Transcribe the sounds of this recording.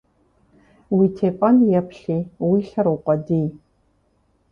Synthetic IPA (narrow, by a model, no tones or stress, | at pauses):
wiːtʰeːpʼɐnjɛpʰɬiːwiːɬɐɾuːqʷʼɔdiːj